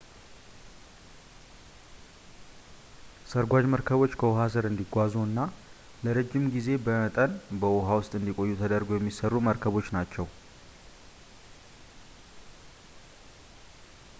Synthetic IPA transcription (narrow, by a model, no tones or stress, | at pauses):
səɾɡʷad͡ʒməɾkʰəβo̞t͡ʃːkʰəwoɦas̬ɨɾɨnd̪iɡʷazuɨnːa | ləɾəd͡ʒːɪmɡize̞bəmət̪ʼənbəwoɦawʊst̪ʼɨnd̪ikʼo̞jːut̪ʰəd̪əɾɡo̞jɛmːisərːuməɾkʰəβo̞t͡ʃːnat͡ʃːɛw